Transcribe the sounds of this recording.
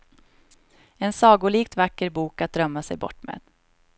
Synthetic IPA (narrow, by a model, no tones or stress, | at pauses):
ɛnsɑːɡʊliːk̚t̪vakːəɾbuːkat̪̚d̪ɾœmːasɛ̰jbɔ̰ʈːmḛːd̪